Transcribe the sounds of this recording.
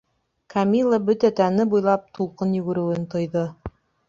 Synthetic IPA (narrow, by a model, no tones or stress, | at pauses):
kʰɐmʲilˠːəbɵt̪æt̪ænɘbujlˠɑp̚t̪ulˠqɤnjɵ̆ɡɘ̆ɾɘ̆wɘnt̪ŏjðɤ